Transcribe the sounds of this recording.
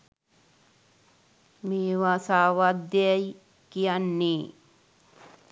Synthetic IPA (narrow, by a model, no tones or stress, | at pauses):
meːʋasaːʋad̪aj | kijanːi